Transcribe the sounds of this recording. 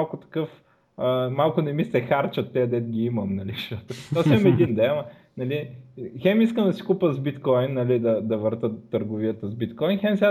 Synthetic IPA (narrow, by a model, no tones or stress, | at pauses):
lˠkʊt̪ɐ̥kɤf | əmalˠkʊnɛmist̪ɛxaɾt͡ʃət̪ːɛɐd̪ɛt̪̚ɡʲiimɐmnɐliʃt̪ɔt̪ʊt̪ɔsiɐmɛd̪ind̪ɛmɐ | nɐlixɛmiskəmd̪ɐsi̥kupəzbit̪kɔjnːɐlid̪ɐd̪ɐvəɾt̪ət̪ːəɾɡʊviət̪əzbit̪kɔjnxɛmsʲa